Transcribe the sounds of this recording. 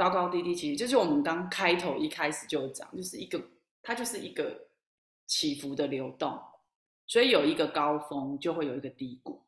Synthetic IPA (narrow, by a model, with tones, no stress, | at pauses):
kɑ˥ʊkɑ˥ʊt̪i˥˧t̪i˥˩t͡ɕʰi˧˥˧t͡ɕjo˥˧ʊʂ̬ɻ̩˥˩wɔ˨˩mə˨˦nkɑ˦ŋkʰa˦ɪt̪ʰo˨˥ʊʔi˥˧kʰa˦ɪʂɻ̩˨˩t͡ɕjo˥˧ʊ˩t͡ɕjɑ̰˨˩˦ŋt͡ɕjo˥˧ʊʂɻ̩˥˩˨i˧˦ɡə˨ | t̪ʰa˥t͡ɕjo˥˧ʊʂɻ̩˥˩i˨˦ɡə˨ | t͡ɕʰi˨˩fu˨˦d̪ə˨ljo˧˥ʊt̪o̰˥˩ŋ | swɔ˧˥i˨˦jo˨˩ʊi˧˦ɡə˨kɑ˦ʊfɔ˦ŋt͡ɕjo˥˧ʊxwe˥˩ɪjo˨˩ʊi˧ɡə˨˩t̪i˥˧kṵ˨˩˦